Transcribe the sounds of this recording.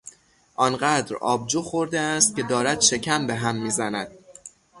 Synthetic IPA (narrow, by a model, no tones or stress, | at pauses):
ʔɒːnɢæd̪ɾɒ̰ːb̚d͡ʒoːxo̞ɾd̪eæst̪̚cʲe̞d̪ɒːɾæd̪̥ʃe̞cʰæmbe̞ɦæmːiːzænæd̪̥̚